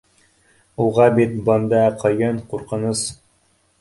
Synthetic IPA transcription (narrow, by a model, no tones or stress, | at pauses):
uʁɑbit̪bɤnd̪ɑqʰɤ̆jɤnquɾqɤ̆nɤs